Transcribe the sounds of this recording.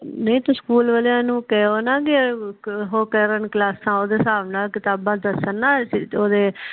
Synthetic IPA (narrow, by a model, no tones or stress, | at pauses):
nəĩːt̪õːskuːlʋəljãːnũːkɛːoːnãːɡe | ɦoːkɛːɾənklaːsãːoːd̪eːsaːʋnãːkɪt̪aːbãːd̪əsənːaːsoːd̪eː